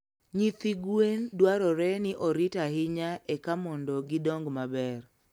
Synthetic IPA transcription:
ɲit̪iɡwendwaɾɔɾɛnɪʔɔɾɪtaɦɪɲaɛkamɔndɔɡɪdɔŋɡmabɛr

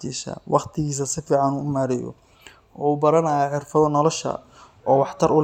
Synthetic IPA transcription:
t͡ʃiːʃɐ̰wʔɑqt̪ʰɪɣiːs̬ɐsɪfiːʕɑnuːʊmaːɾɛjɔ̰ | ʔɔːuːbɐɾɐnɐjɐʕɪrfɐðɔnɔlɔʃɐ̰ | ʔɔːwɑħt̪ʰɐɾʊl

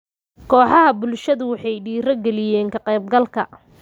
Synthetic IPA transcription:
kʰɔːħɑɦɐbʊlʃɐðʊwɑħɑjɖiːɾɐɡɛlɪjɛːŋkʰɐqɛjb̚ɡɐlkʰɐ

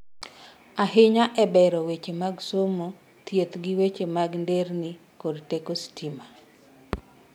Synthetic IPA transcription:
aɦɪɲaʔɛbɛɾɔwet͡ʃemaɡsomo | t̪jet̪ɡɪwet͡ʃemaɡndernɪ | kodtekostima

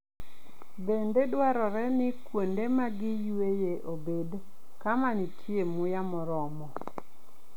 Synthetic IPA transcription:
bendedwaɾɔɾɛnɪkwondemaɡɪjwejeʔobed | kamanitʰjemʊjamɔɾɔmɔ

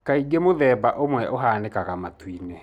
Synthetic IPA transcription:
kaiɡemoðɛːbaʔomwɛʔoɦaːnekaɣamatwine

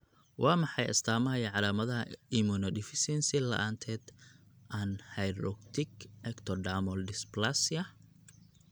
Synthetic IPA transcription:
wʔɑːmɑħɑjɐ̰st̪ʰaːmɐjɐʕɑlaːmɐðɐɐɪmunɔdɪfɪsɛnsɪlɐ̰ʔaːnt̪ʰɛːd̪̥ | ʔanhɛjɾɔ̰kt̪ʰɪkɛkt̪ʰɔɖaːmɔldɪsplasɐ

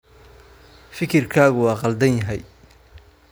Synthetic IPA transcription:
fɪkʰɪrkʰaːɣʊwɑːqɑld̪ɐnjɐɦɛj

